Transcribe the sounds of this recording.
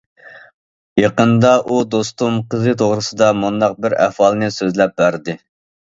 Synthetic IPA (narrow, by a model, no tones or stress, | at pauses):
jɑqənd̪ɑʔud̪ost̪umqəzɨt̪ʰoʁɾɨsɨd̪ɑmund̪ɑq̚bɪɾæ̰fɑlˠnɨsøzlɛp̚bæɾd̪ɪ